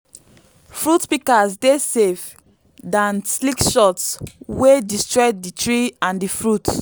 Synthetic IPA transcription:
fɹutpikazdesef | dãnslikʃɔtswedistɹɔt̚ditɹiãndifɹut

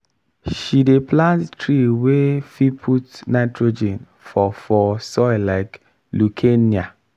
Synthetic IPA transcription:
ʃideplãnttɾiwefipʰutnaɪtɾod͡ʒen | fɔfɔsɔɪlaɪk | lukʰenia

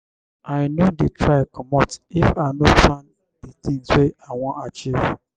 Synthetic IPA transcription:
ajnodetʰɾajkɔmɔtifanofãn | ditideaŋʷɔʔat͡ʃɪ

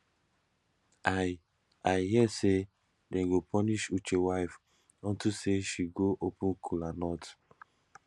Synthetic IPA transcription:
a | ajhiɛse | dɛ̃ɡopʰɔniʃut͡ʃewaɪf | ɔ̃ntuseʃiɡoʔopũnkʰulanɔt

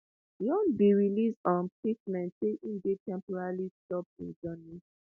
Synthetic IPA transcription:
jɔ̃nbiɹilisɔ̃npet͡ʃmɛ̃ntseʔĩndetɛ̃mpɔɹalistɔp̚tḭ̃nd͡ʒɔni

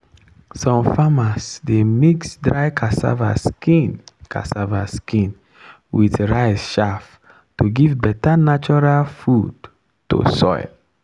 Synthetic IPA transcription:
sɔ̃mfamasdemiksdɾaɪkʰasa̰va̰skinkʰa̰savaskĩn | witɹaɪsʃaf | toɡivbɛtanat͡ʃɔɹalfud | to̰sɔ̰ɪl

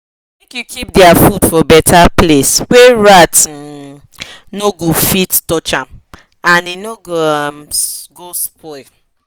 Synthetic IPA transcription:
ɛ̃kjukʰipdiafudfɔbɛtʰaplesweɹat | noɡufittɔt͡ʃãm | ãninoɡomɡospɔl

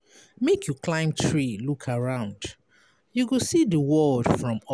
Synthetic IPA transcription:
mekʰjuklãɪ̃mtʰɹilukʰaɹãʊ̃nd | juɡosidəwɔld̥fɹɔ̃m

